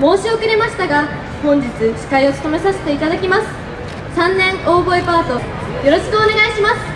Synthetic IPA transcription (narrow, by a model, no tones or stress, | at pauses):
mo̞ːɕio̞kɯɾe̞maɕi̥t̪aɡa | hõ̞ɲ̟d͡ʑit͡sɨkʲi̥kaio̞t͡sɨ̥t̪o̞me̞saɕi̥t̪e̞it̪ad̪akʲimasɨ̥ | sãnːẽ̞ŋo̞ːbo̞epaːt̪o̞ | jo̞ɾo̞ɕi̥kɯ̟oːne̞ɡaiɕimasɨ̥